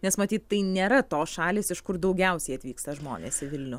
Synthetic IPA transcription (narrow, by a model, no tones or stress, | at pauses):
nʲɛsmɐt̪ʲiːt̪t̪ːɐɪnʲeːɾɐt̪oːsʃɑːlʲeːsɪʃkʊrd̪ɐʊɡʲɛʊsʲɛɪɐt̪ʲʋʲiːkst̪ɐʒmo̰ːnʲḛːsɪʋʲɪlʲnʲʊ